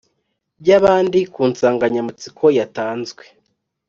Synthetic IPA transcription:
bɟaβaːndikuːnsaːŋɡaɲamat͡sikʰo̞jataːnzɡwe

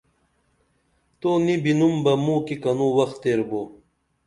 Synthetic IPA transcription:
t̪onibinumbɐmũːkikɐnuwɐxt̪ːeɾbo

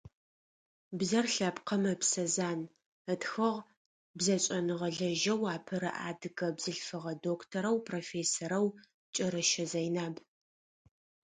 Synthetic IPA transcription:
bzɐrɬɐpqʰɐmɐpsɐzaːn | ətxɐʁ | bzɐt͡ʃʼɐnɨʁɐɮɐʒɐwaːpʰɐɾɐ̰ʔa̰ːdɨɡɐbzɨɬfɨʁɐdoːkʰtʰɐɾɐwpʰroːfeːsoɾɐw | t͡ʃʼɐɾɨʃɐzɐjnaːb

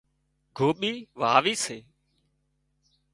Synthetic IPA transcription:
ɡʱoːɓiːʋaːʋiːseː

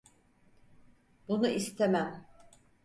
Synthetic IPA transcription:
bunuʔist̪ʰemæm

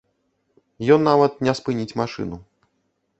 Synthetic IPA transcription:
jɔnːavɐt̪̚nʲɛspɨnʲit͡sʲmaʂɨ̰nu

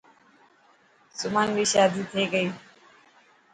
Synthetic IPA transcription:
sʊmaːnʋiːʃaːd̪iːt̪ʰeːɡəiː

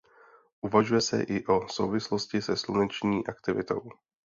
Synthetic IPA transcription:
ʔuvaʒujɛsɛ̰ʔɪʔo̞so̞̰wvɪslo̞scɪsɛslunɛt͡ʃɲiːʔakt̪ɪvɪ̰t̪o̞̰w

